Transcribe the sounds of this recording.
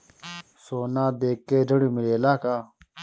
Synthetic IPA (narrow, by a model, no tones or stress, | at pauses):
soːnaːd̪eːkːeːd͡ʑɐɽumiɾeːlaːkaː